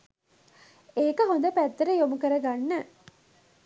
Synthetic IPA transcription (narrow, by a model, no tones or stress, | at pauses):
eːkəɦond̪əpæt̪ːɐɾəjomukəɾɐɡanːə